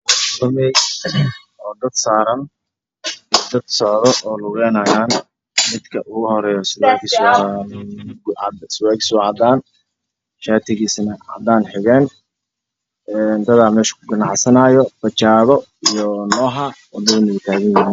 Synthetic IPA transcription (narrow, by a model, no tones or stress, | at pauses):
sɐmɛj | ɔːd̪ɐd̪saːɾɐn | d̪ɐd̪sɔʕðɔʔɔːlʊɣɛːnɐjaːn | mɪd̪kʰɐʔʊːɣʊhɔɾɛːjɔsɪwaːks | d̪sɪwɛːkɪ̥sʊːʕɑd̪aːn | ʃaːt̪ʰɪɣiːsnɐʕɑ̰d̪aːnħɪɣɛːn | ɛːnd̪ɐðaːmɛːʃɐ̥kʰʊɡɐnɑʕsɐnɐjɔb̥ɐt͡ʃaːðɔ | ijɔnɔːɦɐwɐd̪ɐwʊnɐwɪt̪ʰaːɣɐnjɪɪ